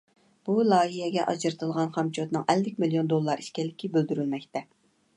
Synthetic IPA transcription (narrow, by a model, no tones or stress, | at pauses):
b̥ulˠɑːɦijɛɡʲɛʔɑ̰d͡ʒɨɾɨt̪ʰɨlˠʁɑnχɑmt͡ʃʰot̪nɨŋɛlːɪkʲmilijond̪olˠːɑɾi̥ʃkʲɛlːɪkʲʰibøld̪yɾylmɛkʲt̪ʰɛ